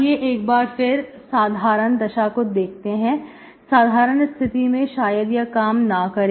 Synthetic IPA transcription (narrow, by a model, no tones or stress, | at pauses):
jeʔeːkbaːɾpʰɪɾ | saːd̪ʱaːɾənd̪ɐʃakʊd̪eːk̚ʰt̪eɦɛ̃ | saːd̪ʱaːɾənst̪ʰɪt̪imẽʃaːjəd̪jakaːmnakɐɾeː